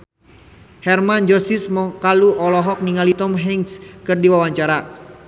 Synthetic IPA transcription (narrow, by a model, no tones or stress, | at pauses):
hɛrmand͡ʒɔsismɔkaluʔɔlɔɦɔk̚niŋalit̪ɔmɦɛŋskɨrdiwawaɲt͡ʃaɾa